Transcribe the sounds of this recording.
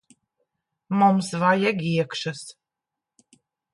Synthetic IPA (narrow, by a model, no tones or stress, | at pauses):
mumsvajɛɡʲiɛkʃas